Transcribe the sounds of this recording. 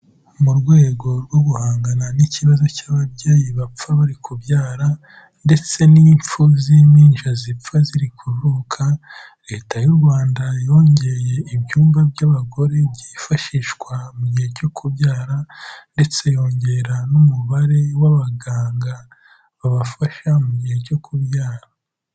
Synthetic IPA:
muɾɡwe̞ːɡo̞ɾɡwo̞ɡuhaːŋɡananiciβazo̞caːβaβɟeːjiβap͡faβaɾikubjaːɾa | nde̞t͡se̞niːɱp͡fuzimiːnʃazip͡faziɾikʰuɾɾukʰa | ɾe̞ːtajuɾɡwaːndajo̞ɲɟe̞je̞ibjuːmbabjaβaɡo̞ɾe̞bɟiːfaʃiʃkwamuɟiheɟo̞kʰuβjaːɾande̞t͡se̞jo̞ːɲɟe̞ɾanumuβaɾe̞waβaɡaːŋɡa | βaβafaʃamuɟiːhe̞ɟo̞kʰuβjaːɾa

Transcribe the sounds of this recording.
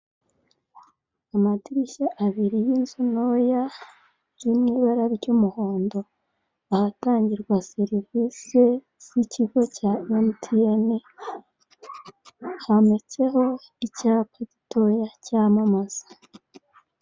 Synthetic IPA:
amatiɾiʃaʔaβiɾijinzuno̞ja | jumŋiːβaɾaɾiɟumuho̞ːndo̞ | ahataːɲɟiɾɡwaseɾivise | siciɡo̞caentieni | hamet͡se̞ho̞ | icaːpeɟitʰo̞jacaːmamaz̥ḁ

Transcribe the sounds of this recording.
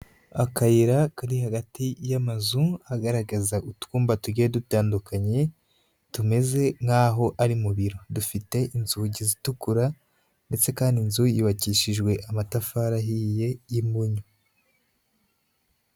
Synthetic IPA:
akajiɾakaɾihaɡatijamazuaɡaɾaɡazaʔutkuːmbatuɟiedutaːndukaɲe̞ | tume̞ze̞ŋ̥haːɦo̞ʔaɾimuβiɾo̞dufite̞ʔinzuɟizitukuɾa | nde̞t͡se̞kaːndinzujiːβaciʃiʒɡwe̞ʔamatafaːɾaɦije̞jimbuɲo

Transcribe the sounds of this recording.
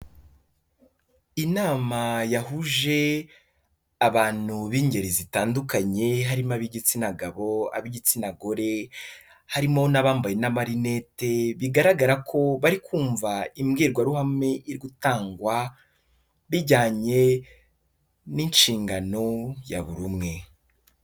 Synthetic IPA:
inaːmajaɦuʒe̞ | aβaːn̥huβiːɲɟe̞ɾezitaːndukaɲe̞ɦaɾimaβiɟit͡sinaɡaβo̞a̰βiɟit͡sinaɡo̞ɾe̞ | haɾimo̞naβaːmbajenamaɾine̞teβiɡaɾaɡaɾakʰo̞βaɾikʰuːɱvaimɡiːɾɡwaɾuhame̞iɾɡutaːŋɡwa | βiɟaːɲe̞ | ninʃiːŋɡano̞ja̰βṵɾumŋe̞

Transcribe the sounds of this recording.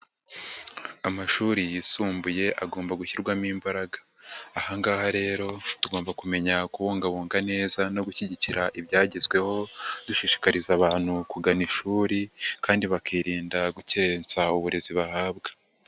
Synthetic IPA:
amaʃuɾijisuːmbuje̞ʔa̰ɡo̞ːmbaɡuçiɾɡwamiːmbaɾaɡḁː | haŋɡaːhaɾe̞ːɾo̞tuɡo̞ːmbakume̞ɲakuβoːŋɡaβoːŋɡane̞ːzano̞ɡuçiɟiciɾaʔibɟaːɟezɡwe̞ho̞d̪uʃiʃi̥kaɾizaβaːn̥hukuɡaniʃuːɾikaːndiβakʰiːɾiːndaɡuceɾent͡sauβuɾe̞ziβahaːbɡḁ

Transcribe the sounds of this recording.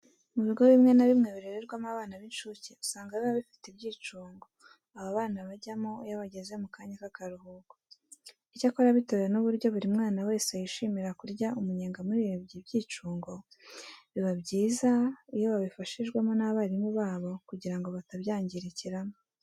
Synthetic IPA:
muβiɡo̞βimŋe̞naβimŋe̞βiɾeɾeɾɡwamaβaːnaβint͡ʃuceusaːŋɡaβiβaβifi̥tibɟiːt͡ʃuːŋɡo̞ | aβaβaːnaβaɟamojaβaɟe̞ze̞mukaːɲakakaɾuhuːɡ̥o | icakoɾaβito̞ɾejenuβuɾɟo̞βuɾimŋaːnawe̞ːsejiʃimiɾakuɾɟaumuɲeːŋɡamuɾiβibɟibɟiːt͡ʃuːŋɡo̞ | βiβabɟiːzaijo̞βaβifaʃiʒɡwemo̞naβaːɾimuβaːβo̞kuɟiɾaŋɡo̞βataβjaːɲɟiɾeciɾamo

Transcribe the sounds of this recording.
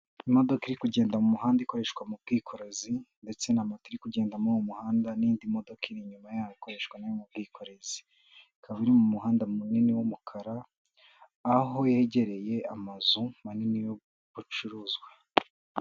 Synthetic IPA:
imo̞do̞kiɾikuɟe̞ːndamumuɦaːndaiko̞ɾe̞ʃkwamub̚ɡiːkʰo̞ɾe̞zinde̞t͡se̞namatiɾikuɟeːndamuwomuhaːndaniːndimo̞do̞kiɾiɲumajaːwoiko̞ɾe̞ʃkwanajomub̚ɡiːko̞ɾe̞zi | ikʰaβaβiɾimumuhaːndamuniniwomukʰaɾaː | ɦo̞jeɟe̞ɾe̞je̞amazumaninijo | βut͡ʃuɾuːzɡwa

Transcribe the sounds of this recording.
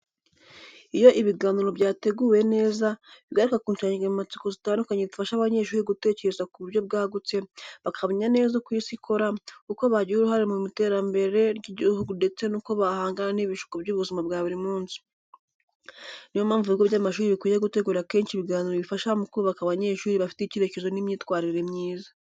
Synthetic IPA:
ijo̞ʔiβiɡaːniɾo̞bɟaːte̞ɡuːwe̞ne̞ːzaβiɡaɾikakuːɲʃaɲiɡemumat͡si̥kozitaːndukaɲezifaʃaβaɲe̞ʃuːɾiɡute̞ːce̞ɾezakuβuɾjo̞b̚ɡaːɡut͡se̞βakʰaβoɲane̞ːzokwiːsikʰo̞ɾakuko̞βaɟiuɾuɦaɾemumite̞ɾambe̞ɾe̞ɾɡiɟiɾuhuɡunde̞t͡se̞nuːko̞βahaːŋɡananiβiʃu̥kobɟuːβuzimabɡaːβuɾimuːnsi̥ | nijomaːɱvuiɡoβɟamaʃuːɾiβikwiːjeɡute̞ɡuːɾake̞ːnʃiβiɡaːɲiɾoβifaʃaamukuɾuβakaβaɲe̞ʃuːɾiβafi̥teiceɾe̞ce̞zo̞nimɲiːtkwaːɾiɾe̞mɲiːzḁ

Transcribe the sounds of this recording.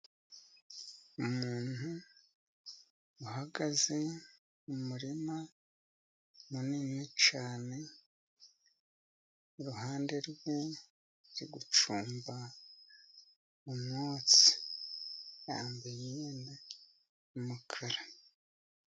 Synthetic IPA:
umuːnhu | uɦaɡaze̞ | umuɾima | muninit͡ʃaːne̞ | uɾuɦaːnde̞ɾɡwe̞ | ɾiɡut͡ʃuːmba | mumŋoːt͡si̥ | jaːmbejieːnda | umukʰaɾa

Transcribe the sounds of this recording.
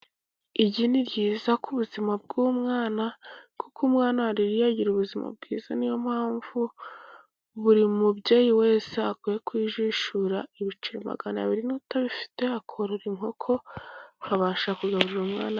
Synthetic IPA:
iɟiniɾɟiːzakuβuzimab̚ɡuːmŋaːnakukʰumŋaːnahaɾiɾijaɟiɾuβuzima̰b̚ɡ̥iːz̥a̰nijo̞m̥haːɱvu | βuɾimubɟeːjiwe̞ːseakujekwiːʒiʃuɾaiβit͡ʃiɾima̰ɡana̰βiɾinutaβifi̥te̞akʰoɾoɾiŋho̞kʰo̞haβaːʃakuɡaβuɾiɾumŋa̰ːna

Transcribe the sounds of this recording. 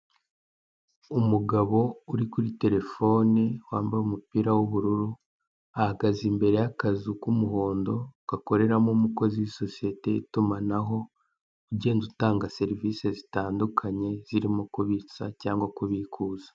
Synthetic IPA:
umuɡaβo̞uɾikuɾite̞ɾe̞fo̞ːniwaːmbaɾumupiːɾawuβuɾuɾu | ahaɡazimbe̞ɾe̞jakazukumuho̞ːndo̞ɡ̥ako̞ɾe̞ɾamomuko̞zijiso̞sije̞te̞itumanaɦo̞ | uɟe̞ːndutaːŋɡase̞ɾiviːse̞zitaːndukʰaɲe̞z̥iɾimokuβit͡sacaːŋɡwakuβikʰuːzḁ

